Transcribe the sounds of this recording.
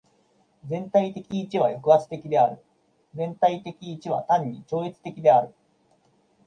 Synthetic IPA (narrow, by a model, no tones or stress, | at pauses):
d͡zẽ̞nt̪ait̪e̞kʲiːt͡ɕiβajo̞kɯ̟ɡat͡sɨ̥t̪e̞kʲid̪e̞aɾɯ̟ | d͡zẽ̞nt̪ait̪e̞kʲiːt͡ɕiβ̞a̰t̪ãɲ̟ːit͡ɕo̞ːit͡sɨ̥t̪e̞kʲid̪e̞aɾɯ̟